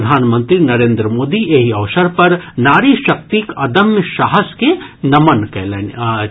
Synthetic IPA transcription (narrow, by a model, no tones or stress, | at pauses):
d̪ʱaːnmə̃nt̪ɾinɐɾẽːnd̪ɾəmoːd̪iʔeɦiɐʋsəɾpɐɾnaːɾiʃɐk̚t̪ikɐd̪əmjəʃaːɦəskenɐmənkɛːlen